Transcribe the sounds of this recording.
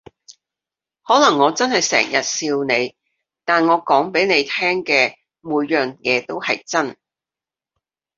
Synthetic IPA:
hɔː˨˥lɐ˨˩ŋːɔː˨˧t͡sɐ˥nhɐ˨jsɛ̰ː˨˩ŋjɐ˨t̚siː˧wne˨˧j | t̪aː˨nŋɔː˨˧kɔː˨˥ŋpe˨˥jne˨˧jt̪ʰɛː˥ŋkɛː˧ | muː˨˧jjœː˨˩ŋjɛː˨˧t̪o˥whɐ˨jt͡sɐ˥n

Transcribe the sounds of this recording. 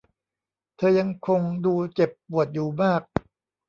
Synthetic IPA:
t̪ʰɤː˧ja˧ŋkʰo˧ŋduː˧t͡ɕe˨˩pːu˨˩ət̪̚juː˨˩maː˥˩k̚

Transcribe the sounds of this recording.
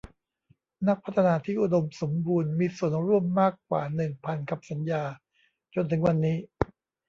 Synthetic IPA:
na˦˥k̚pʰa˦˥t̪ʰa˧naː˧t̪ʰiː˥˩ʔu˨do˧mso˩˦mbuː˧nmiː˧su˨˩ənɾu˥˩əmːaː˥˩kːwa̰ː˨˩nɯ˨˩ŋpʰa˧nka˨˩p̚sa˩˦njaː˧ | t͡ɕo˧nt̪ʰɯ˩˦ŋwa˧nːiː˦˥

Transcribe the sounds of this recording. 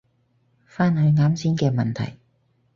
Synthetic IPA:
faː˥nhɵ˨˧ɥŋaː˨˥msiː˨˥nkɛː˧mɐ˨nt̪ʰɐ̰˨˩j

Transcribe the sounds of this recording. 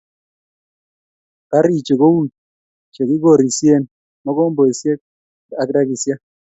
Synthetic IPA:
ka˦ɾi˦˨t͡ʃe˨ko˦wu˦˨n | t͡ʃe˨ki˦ɡo˦˨ɾi˨sje˦n | mɔ˦kɔ˦mbo˨i˨sje˦k̚ | a˨kda˦ki˨sja˦

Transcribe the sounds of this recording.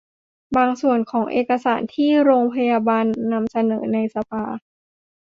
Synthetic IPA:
baː˧ŋsu˨˩ənkʰɔː˩˦ŋʔḛː˨˩ka˧saː˩˦nt̪ʰiː˥˩ɾoː˧ŋpʰa˧jaː˧baː˧nːa˧msa˧nɤː˩˦na˧jsa˧pʰaː˧

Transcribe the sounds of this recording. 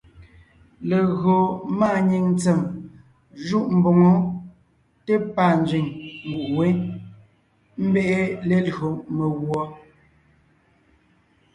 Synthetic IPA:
le˨ɣo˨ma˦˨ɲi˨ŋn˦t͡se˨m | ʒu˦ʔm̩˨bo˨ŋo˨˦ | te˦pa˨n˦d͡zɥi˨ɲŋ̩˨ɡu˨ʔwe˦ | m̩˦be˦ʔe˦le˨lo˨me˨ɣwɔ˦

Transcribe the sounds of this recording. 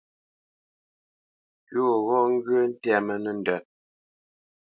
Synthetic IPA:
jo˦˨ɣɔ˦ŋ̩˦ɡə˦n̩˦tɛ˦˨mə˨nə˨n̩˨dœ˨t̚

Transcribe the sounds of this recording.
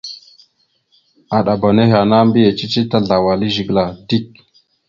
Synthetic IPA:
a˨ɗa˨ba˨ne˦ɦa˨na˦mbi˦je˨t͡ʃi˦t͡ʃi˦ta˦ɮa˨wa˨li˦ʒi˨ɡla˨di˦˨k̚

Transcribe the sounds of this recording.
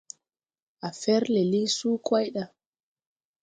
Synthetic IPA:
a˨fɛ˦ɾle˨li˦suː˦kwa˦jɗa˦

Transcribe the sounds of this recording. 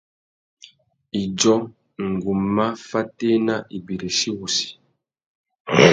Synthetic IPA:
i˨d͡ʒɔ˦ | ŋ̩˨ɡu˨mːa˦fa˦te˦na˦ʔi˨bi˨ɾe˨ʃi˦wu˨si̥˨

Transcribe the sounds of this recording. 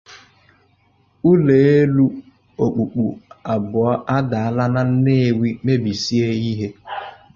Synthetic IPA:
u˦le˨e˦lu˦ | o˨k͡pu˨k͡pu˨a˨bʊ˨ɔ˦ʔa˦da˨a˦la˦na˦n̩˦ne˦˨wi˦me˦bi˨si˦e˦i˦ɦe˦

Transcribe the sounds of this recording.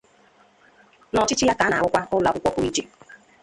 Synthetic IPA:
nɔ˨t͡ʃɪ˦t͡ʃi˦ja˦ka˨˦na̰˨wʊ˦kʷa˦ʊ˦la˨kʷʊ˦kʷɔ˦ku˦i˦t͡ʃe˦

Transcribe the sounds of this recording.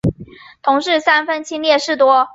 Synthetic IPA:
t̪ʰʊ˧˥ŋʂɻ̩˥˩sa˥nfə˥nt͡ɕʰi˥ŋljɛ˥˧ʂɻ̩˥˩t̪wɔ˥

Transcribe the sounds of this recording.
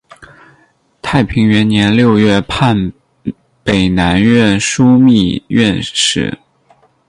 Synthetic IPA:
t̪ʰa˥˩ɪpʰi˧˥ŋɥɛ˧˥nnjɛ˧˥nljo˥˧ʊɥɛ˥˧pʰa˥˩n | pe˨˩ɪna˧˥nɥɛ˥˩nʂu˥mi˥˧ɥɛ˥˧nʂɻ̩̰˥˩

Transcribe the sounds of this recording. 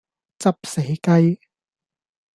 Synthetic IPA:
t͡sɐ˥p̚se˨˥jkɐ˥j

